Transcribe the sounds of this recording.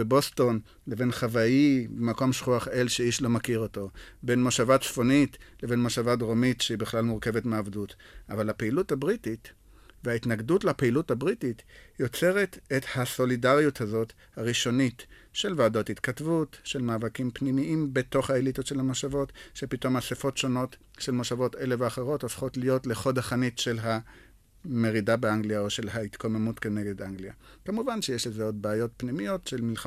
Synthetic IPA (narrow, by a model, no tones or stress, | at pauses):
bebo̞sto̞n | le̞ve̞nχavaibemako̞mʃχuaχe̞lʃeiʃlo̞makiʁo̞to̞be̞nmoʃavat͡sfonitle̞ve̞nmoʃavadʁomitʃeibeχlalmuʁke̞vetmaavdut | ʔavalhapeiluthabʁitit | veaitnaɡdutlapeiluthabʁititjo̞t͡se̞ʁe̞tethaso̞lidaʁjuthazo̞t | haʁiʃo̞nit | ʃe̞lvaːdo̞thitkatvutʃelmaːvakimpnimiʔimbeto̞χhaelit̪otʃelamaʃavo̞tʃe̞pito̞masefo̞tʃo̞no̞t | ʃe̞lmaʃavo̞te̞le̞veaχeʁo̞tofχo̞tlijo̞tle̞χo̞dhaχanitʃe̞lɦa | me̞ʁidabeaŋɡlijaoʃe̞lɦaitkomemutkene̞ɡe̞daŋɡlija | kamuvanʃejeʃlezeo̞d̚beajo̞tpnimijo̞tʃe̞lmil